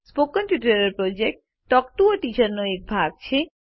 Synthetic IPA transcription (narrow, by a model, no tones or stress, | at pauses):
spokːɔnpjuʈəɾeɾpɾod͡ʑek̚ʈ | ʈːɔkʈuoʈit͡ɕəɾnoek̚bʱaɡ̚t͡ɕʰe